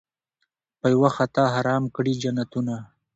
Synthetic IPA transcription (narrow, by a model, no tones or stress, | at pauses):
pəjwaxat̪ɑɦaɾɑːmkɽid͡ʒanat̪una